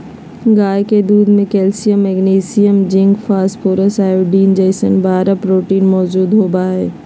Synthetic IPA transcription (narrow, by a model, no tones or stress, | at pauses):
ɡaːjked̪uːd̪mẽkɛːlsijəmːɛɡniːsijəmd͡ʑɪ̃ŋɡfaːspʰoːɾəsaːjoɖiːnd͡ʑɐɪsənbaːɾəpɾoːʈiːnmɔːd͡ʒuːd̪ɦoːbaːɦḛː